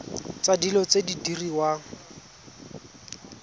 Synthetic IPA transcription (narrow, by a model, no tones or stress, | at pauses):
t͡sadilɔt͡sedidiriwa